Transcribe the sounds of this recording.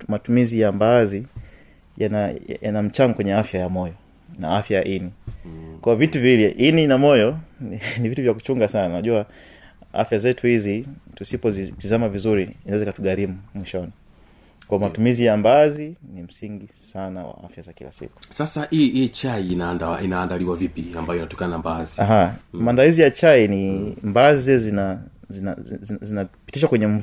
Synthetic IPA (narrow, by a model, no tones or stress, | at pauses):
matumizijambazi | jana̰janam̩t͡ʃaŋɡɔkwɛɲɛafjajamɔjɔ | na̰afjajaʔinikwaɔvituviliʔininamɔjɔnivituvjaku̥t͡ʃuŋɡasananaʄua | a̰fjazɛtuhizitusipɔzitizamavizuɾiinaɛzɛikatuɠaɾimumwiʃɔni | kwaɔmatumizijambazinim̩siŋɡisanawa̰a̰fjazakḭla̰sḭku̥sasaiit͡ʃainandainaːndaliwavipiambajɔinatɔ̥kananambaziaɦamaːndalizijat͡ʃainimbazizɛzina | zna̰zinapi̥tiʃwakwɛɲɛm̩v